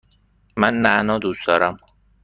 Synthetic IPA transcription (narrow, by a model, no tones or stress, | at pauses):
mænːæʔnɒːd̪uːsd̪ɒːɾæm